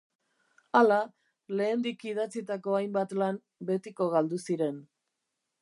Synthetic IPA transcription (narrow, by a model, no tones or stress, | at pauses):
ala | le̞ːnd̪ikiðat͡sit̪ako̞ajmbat̪lan | be̞t̪iko̞ɣald̪usiɾe̞n